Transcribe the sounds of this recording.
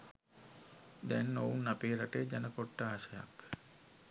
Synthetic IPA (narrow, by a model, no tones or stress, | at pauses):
d̪ɛnːounːapeːɾaʈeːd͡ʒɛnəkoʈːəaːʃəja̰k